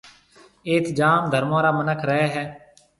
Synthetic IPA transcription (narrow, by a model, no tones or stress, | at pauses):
eːt̪d͡ʒaːmd̪ʱəɾmãːɾaːmənəkʰɾəɦɛːɦɛː